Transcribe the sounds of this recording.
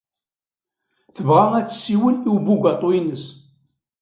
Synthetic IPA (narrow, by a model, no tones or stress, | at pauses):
θəvʁaæt͡sːsːiwəliwbuɡɑt̪ˤoinəs